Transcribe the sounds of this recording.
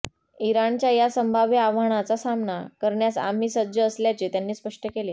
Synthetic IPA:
iɾaɳt͡ɕjajasəmbʱaʋjəaʋ̤aɽ̃at͡sasamnakəɾɳjasa̰m̤iːsəd̪d͡ʑəːsljat͡ɕet̪janːiːspəʂʈəkele

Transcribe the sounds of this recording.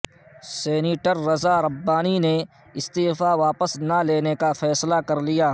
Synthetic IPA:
seːniːʈəɾːɐzaɾɐbːaːnine | ɪst̪iːfaʋaːpəsnaleːnekafʰɛːslakɐɾlijaː

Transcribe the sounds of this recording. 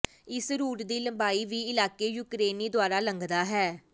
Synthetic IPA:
ɪsɾuːʈd̪iːləmbaːiːʋiːɪlaːkeːjuːkɾeːniːd̪ʊaːɾaːləŋɡd̪aːɦɛː

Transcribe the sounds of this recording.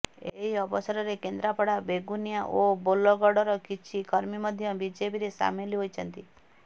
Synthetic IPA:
eɦiɔbɔsɔɾɔɾekend̪ɾapɔɽabeɡunjaʔobolɔɡɔɽɔɾɔkit͡ʃʰikɔɾmimɔd̪ʱjɔbid͡ʒepiɾesa̰miliɦojt͡ʃʰɔnt̪i

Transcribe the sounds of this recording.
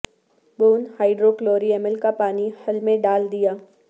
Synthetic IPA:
buːnhaːɪɖɾokloːɾiɛməlkapaːnihɐlmẽɖaːld̪ijaː

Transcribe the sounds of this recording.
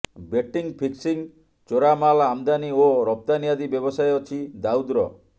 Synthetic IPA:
beʈiŋpʰiksiŋ | t͡ʃoɾamalamd̪anioɾɔp̚t̪anijad̪ibjɔbɔsajɔt͡ʃʰid̪aud̪ɾɔ̰

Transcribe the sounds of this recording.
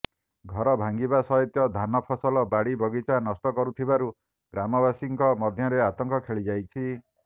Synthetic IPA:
ɡʱɔɾɔbʱaŋɡibasɔɦɔt̪jɔd̪ʱanɔpʰɔsɔlɔbaɽibɔɡit͡ʃanɔst̪ɔkɔɾut̪ʰibaɾu | ɡɾamɔβasiŋkɔmɔd̪ʱjɔɾeat̪ɔŋkɔkʰeɭid͡ʒajt͡ʃʰi

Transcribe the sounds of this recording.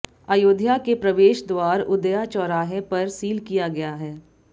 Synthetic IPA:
aːjoːd̪ʱjakepɾɐʋeːʃd̪waːɾʊd̪əjat͡ʃɔːɾaːɦẽpɐɾsiːlkijaɡɐjaɦɛː

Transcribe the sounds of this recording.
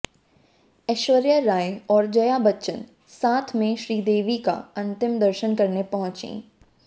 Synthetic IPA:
ɛːʃʋəɾjəɾaːeɔːɾd͡ʒɐjabɐtːʃən | saːt̪ʰmẽʃɾiːd̪eːʋika̰ɐ̃nt̪ɪmd̪ɐɾʃənkɐɾnepɐɦʊ̃t͡ʃḛ̃ː

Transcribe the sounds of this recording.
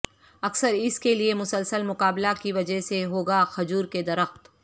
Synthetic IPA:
ɐksəɾɪskeliemʊsəlsəlmʊqaːblakiʋɐd͡ʒəɦseɦoːɡaxɐd͡ʒuːɾked̪ɐɾəxt̪

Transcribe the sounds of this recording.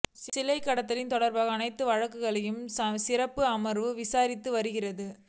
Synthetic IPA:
ssɪlɐɪkːɐɽɐt̪ːɪlɪnt̪ɔɽɐɾbaːɣɐːnɐɪt̪ːɯʋɐɻɐkːɯɣɐɭɐjɯmsɐsɪrɐpːɯɐmɐɾʋɯʋɪsaːɾɪt̪ːɯʋɐɾɯɣɪrɐðɯ

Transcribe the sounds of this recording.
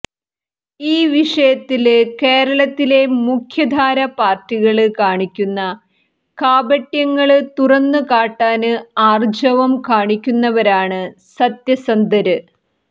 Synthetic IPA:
iːʋiʂɐjɐt̪ːilke̞ːɾɐɭɐt̪ːile̞mukʰjɐd̪ʱaːɾɐpaːrtiɣɐɭɨkaːɳikʲːunːɐ | kaːbɐʈjɐŋːɐɭɨt̪urɐnːɨkaːʈːaːnɨaːrd͡ʑɐʋɐmkaːɳikʲːunːɐʋɐɾaːɳɨsɐt̪jɐsɐnd̪ɐɾɨ

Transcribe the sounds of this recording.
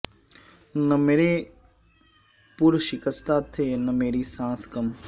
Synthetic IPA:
nɐmeːɾe | pʊɾʃɪkəst̪ʰat̪ʰeːnɐmeːɾisãːskəm

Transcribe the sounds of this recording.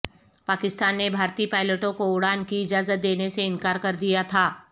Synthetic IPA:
paːkɪst̪aːnːebʱaːɾt̪ipaːɪləʈõkoʊɽaːnkiɪd͡ʒaːzət̪̚d̪eːneseɪ̃nkaːɾkɐɾd̪ijat̪ʰaː

